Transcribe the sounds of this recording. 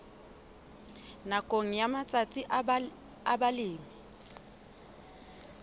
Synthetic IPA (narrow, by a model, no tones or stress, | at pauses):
nakʼoŋ̩jamat͡sʼat͡sʼi | abalɪːmɛ